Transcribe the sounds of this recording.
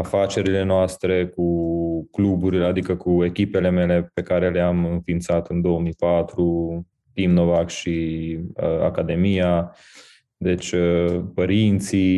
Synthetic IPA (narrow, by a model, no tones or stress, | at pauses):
afat͡ʃe̞ɾile̞noast̪ɾe̞kuklubuɾilead̪ikəkue̞kʲipe̞le̞me̞le̞pe̞kaɾe̞le̞amɨnfint̪sat̪ɨnd̪o̞omijpat̪ɾu | t̪imno̞vakʃiəa̰kad̪e̞mija | d̪e̞t͡ʃʲəpəɾint̪si